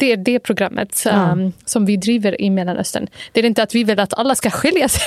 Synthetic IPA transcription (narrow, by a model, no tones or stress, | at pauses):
d̪̥ɛæɖɛpʰɾʊɡɾamːə̰t̪ | sɔmvɪd̪ɾiːvəɾɪ̰mɛlːanʔœ̰st̪ə̰nd̪̥ɛæɾɪnt̪əat̪vɪvɪlːat̪ʰa̰lːaskaɧɪljas